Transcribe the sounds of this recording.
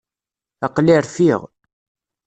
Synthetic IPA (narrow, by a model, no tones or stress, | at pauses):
ɑqliɾθiʁ